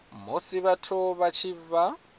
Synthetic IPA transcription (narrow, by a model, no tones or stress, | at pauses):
mosiβatʰɔβat͡ʃʰiβa